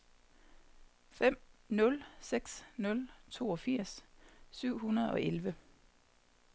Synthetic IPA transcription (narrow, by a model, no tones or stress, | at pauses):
fem̰nɔ̽lseɡ̥snɔ̽lt͡sʰo̝̰ːɒ̽fiɐ̰ssyʊ̰hunɐð̩ˠɒ̽ʔelʋə